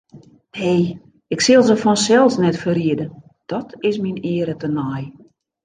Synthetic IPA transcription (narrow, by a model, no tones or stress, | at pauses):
hej | ɪksɪlˠzəfɔnsɛlˠsnɛtfəriədə | d̥ɔtʰɪsminɪːəɾətənɔj